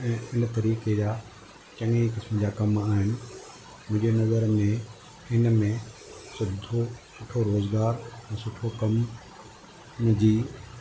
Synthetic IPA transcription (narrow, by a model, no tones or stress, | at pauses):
ɛ̃ːɪnt̪ɐɾiːked͡ʑaː | t͡ɕɐ̃ŋikɪsməd͡ʑaːkɐmaːɦɪnɪ̆ | mʊ̃ɦɪ̃ɲd͡ʑenɐzəɾmẽ | ɪnmẽ | sʊbd̪ʱosʊʈʰoɾoːzɡaːɾɛ̃ːsʊʈʰokɐm | d͡ʑiː